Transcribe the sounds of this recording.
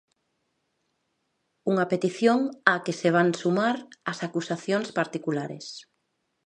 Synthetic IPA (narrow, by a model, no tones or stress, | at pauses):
uŋapet̪iθjoŋakeseβ̞ansumaɾasakusaθjõŋspaɾt̪ikulaɾḛs